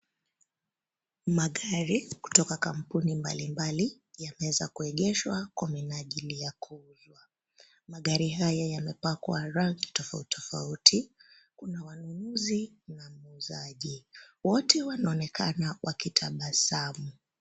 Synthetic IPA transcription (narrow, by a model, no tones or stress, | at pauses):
maɠaɾiku̥tɔkakam̩punimba̰limbali | jamɛɛza̰kuɛɠɛʃwakwaminaʄilijakʰuzwa | maɠaɾiɦajajamɛpakwaɾaŋɡitɔfa̰utʰɔfa̰utʰi | kunawanunuzi | namuzaʄiwɔtʰɛwanaɔnɛkʰanawʔakitʰaɓasamu